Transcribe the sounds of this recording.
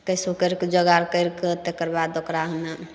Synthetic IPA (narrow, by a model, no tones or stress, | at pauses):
kəjsokəɾkd͡ʒəɡaɾkəjɾket̪ekəɾbad̪okɾaɦna